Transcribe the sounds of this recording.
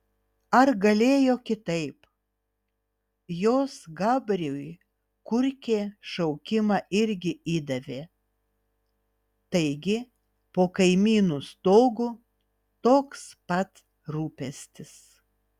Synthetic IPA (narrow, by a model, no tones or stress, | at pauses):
ɐɾɡɐlʲeːjoːkʲɪt̪ɐɪp | joːsɡɑːbʲɾʲuːj | kʊɾʲkʲeːʃɐʊkʲɪmɑʔɪɾʲɡʲɪiːd̪ɐʋʲeː | t̪ɐɪɡʲɪ | poːkɐɪmʲiːnuːst̪oːɡʊ | t̪oːkspɐt̪ | ɾuːpʲɛsʲt̪ʲɪs